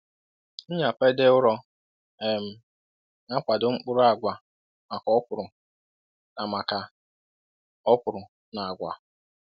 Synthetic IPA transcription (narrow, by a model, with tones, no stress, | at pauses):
n̩˦ɲ˦a˨pe˦de˦ʊ˦ɾɔ˦ | e˨m̩˨ | ŋa˦kʷa˨dʊ˨ŋ͡m̩˦k͡pʊ˦ɾʊ˦a˨ɡʷa˨ | ma˨kɔ˦pʊ˨ɾʊ˨ | na˨ma˨ka˨ | ɔ˦pʊ˨ɾʊ˨ | na˨a˨ɡʷa̰˨